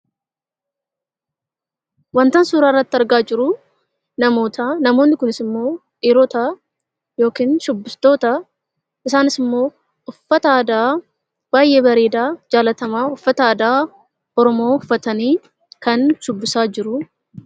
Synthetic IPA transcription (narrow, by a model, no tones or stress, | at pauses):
wɐnt̪ɐnsuːɾaːɪrːɐt̪ːɪɐɾɡaːd͡ʒɪɾʊ | nɐmo̞ːt̪ɐnɐmo̞ːnːɪkʊnɪsɪmːo̞ː | ʔiːɾoːt̪ɐ | jo̞ːkiːnʃʊbːɪst̪o̞ːt̪ɐ | ʔɪsaːnɪsɪmːo̞ː | ʊfːɐt̪ɐaːd̪aː | b̥aːjʔe̞ːbɐɾe̞ːd̪aːd͡ʒaːlɐt̪ɐmaːʊfːɐt̪ɐːd̪aː | ɔɾɔmo̞ːʊfːɐt̪ɐniː | kɐnʃʊbːɪsaːd͡ʒɪɾʊ